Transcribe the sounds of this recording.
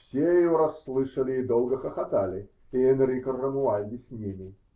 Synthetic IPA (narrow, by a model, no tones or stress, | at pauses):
fsʲejɪjoɾɐsːlˠɨʂəlʲɪːd̪olˠɡəxəxɐt̪alʲɪ | ɪɛnɾʲikərːəmʊanʲd̪ʲɪsʲnʲimʲɪ